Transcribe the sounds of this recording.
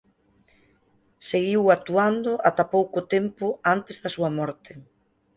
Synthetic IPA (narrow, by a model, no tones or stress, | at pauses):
seɣiwat̪uand̪ʊʔat̪apowkʊt̪empʊant̪ezðɐsuɐmɔɾt̪e